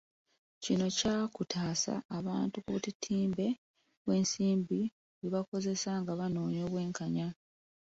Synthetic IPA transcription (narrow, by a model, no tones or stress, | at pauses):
cino̞caːkutʰaːsa̰ːβaːntukuβutitʰiːmbe̞ | βwe̞ːnsiːmbi | βiβako̞ze̞saŋɡaβano̞ːɲo̞ːβwe̞ːŋkaɲa